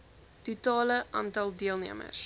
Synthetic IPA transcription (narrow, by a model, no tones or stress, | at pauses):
tutɑːləʔɑ̰ːntɐlˠdiəlˠniəmə̰s